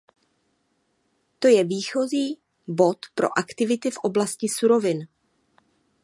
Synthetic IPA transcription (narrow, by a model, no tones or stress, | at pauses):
t̪o̞jɛviːxo̞ziː | bo̞t̪pɾo̞̰ʔakt̪ɪvɪt̪ɪfʔo̞blascɪsuɾo̞vɪn